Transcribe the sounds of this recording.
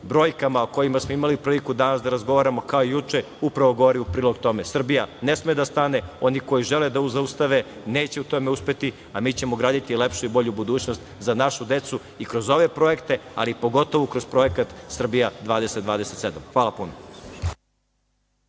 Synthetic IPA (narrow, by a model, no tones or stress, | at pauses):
bɾo̞ːjkamaoko̞jimasmoimaliupɾiːlikud̪anasd̪aɾazɡo̞ʋaːɾamo̞kaoijut͡ʃe | upɾaʋo̞ɡo̞ʋoɾiupɾiːloɡ̚t̪o̞mesr̩bijanesmeːd̪ast̪aːneo̞niko̞jiʒeled̪auzaust̪aʋe̞ | ne̞ːt͡ɕe̞ut̪o̞me̞uspe̞t̪i | amiːt͡ɕe̞moɡɾaːd̪it̪ilepʃuibo̞ʎubud̪uːt͡ɕno̞st̪zanaʃud̪e̞t̪su | ikɾo̞zo̞ʋe̞pɾo̞e̞kt̪e̞a̰lipo̞ɡo̞t̪o̞ʋukɾo̞zpɾo̞ekat̪sr̩bijad̪ʋaːd̪eset̪d̪ʋaːd̪eset̪se̞d̪amxʋaːlˠapuno